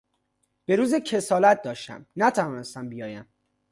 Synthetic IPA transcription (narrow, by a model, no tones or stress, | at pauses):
b̥e̞ɾuːzecʰe̞sɒːlæt̪̚d̪ɒːʃt̪æ̰mnæt̪ʰævɒːnest̪æmbijɒːjæm